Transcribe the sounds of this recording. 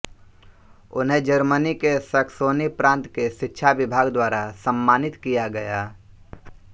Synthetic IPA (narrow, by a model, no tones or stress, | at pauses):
ʊ̰nɦẽd͡ʒəɾmənikesəkʰsoːnipɾãːnt̪keʃɪtːʃʰaʋɪbʱaːɡd̪waːɾasə̃mːaːnɪt̪kijaɡɐjaː